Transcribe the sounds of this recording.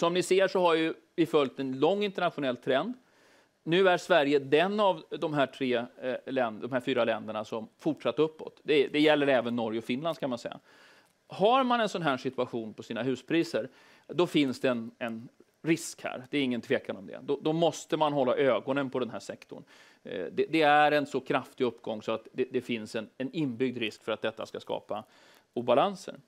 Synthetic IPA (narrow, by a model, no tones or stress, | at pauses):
sɔmnɪseːʂɔɦaɾjɵ | vɪfœlt̪ɛnlɔŋːɪnt̪əɳat̪ɧʊnɛlːt̪ʰɾɛnd̪ | nʉ̟ːæɾʂvæɾjəd̪ɛnːavd̪ɔmɦæːʈʰɾeːlɛnd̪ɔmhæːɾfyːɾalɛnd̪əɳasɔmfʊʈʂat̪ːəɾɵpːɔ̰t̪d̪ɛd̪ɛjɛlːəɾɛːvənːɔɾjɔfɪnland̪kʰanmansɛ̰jːa̰ | haɾmanɛnsɔnɦæːʂɪt̪ɵaɧuːnpʰɔsiːnaɦʉ̟ːspʰɾiːsəɾ | d̪ɔfɪnsd̪ɛɛnɛn | ɾɪskhæ̰ːɾd̪ɛːɾɪŋːənt̪ʰveːkanɔmd̪ɛ̰d̪ɔd̪ɔmɔst̪əmanɦɔlːaʔøːɡɔnənpʰɔd̪ɛnɦæːʂɛkt̪ʰʊ̰ɳ | d̪ɛd̪ɛæɾɛnsɔkʰɾaft̪ɪɵpːɡɔŋːsɔat̪d̪ɛd̪ɛfɪnsɛnɛnɪnbʏɡ̚d̪ɾɪskfœɾat̪̚d̪ɛt̪ːa̰skaskɑ̰ːpa | uːbalansə̰ɾ